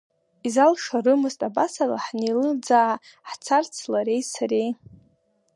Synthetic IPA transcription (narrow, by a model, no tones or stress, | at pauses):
izalʂarɨmɨztʼabasala̰ħnelɨd͡zaʕa | ħt͡sʰart͡sʰlaɾe̞jsaɾej